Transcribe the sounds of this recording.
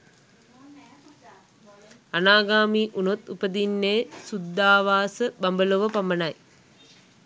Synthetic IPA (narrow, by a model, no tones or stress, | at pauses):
anaːɡaːmiːʔunot̪upəd̪inːeːsud̪ːaːʋaːsəbambəloʋəpamənaj